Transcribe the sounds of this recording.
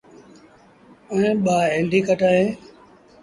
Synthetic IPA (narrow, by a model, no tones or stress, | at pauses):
əẽːɓaːɦeːɳɖiːkəʈaːɦẽː